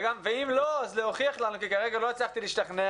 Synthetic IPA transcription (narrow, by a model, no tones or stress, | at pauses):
ɡamveimloazleoχiaχlanukikaʁeɡalo̞at͡slaχt̪iliʃt̪aχne